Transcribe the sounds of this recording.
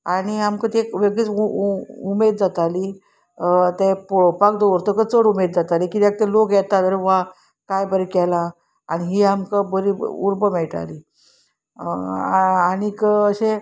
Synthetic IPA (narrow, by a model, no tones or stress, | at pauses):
aɽ̃iamkət̪ekʋeɡɭiːt͡s | umed̪̚d͡zat̪ali | t̪eppak̚d̪oʋəɾt̪əkət͡səɽumed̪d͡zat̪alikit̪ak̚t̪ɛlokjɛt̪at̪əɾeʋa | kajbəɾikɛla | aniɦiːamkəbəɾḭuɾbəmɛɭʈa̰liː | aɽ̃ikəəɕe